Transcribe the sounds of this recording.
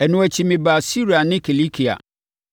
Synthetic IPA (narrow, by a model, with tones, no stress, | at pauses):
ɛ˨nʊ̃˨æ˨t͡ɕʰi˨mɪ̃˨ba˨si˦ɾi˨a˨nɪ̃˦kʰi˨li˦kʰi˨a̰˨